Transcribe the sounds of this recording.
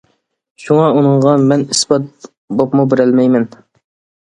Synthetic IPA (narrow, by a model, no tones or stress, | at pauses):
ʃuŋɑunɨɴʁɑmɛnisbɑt̪̚ | bopmubɪɾælmɛjmɛn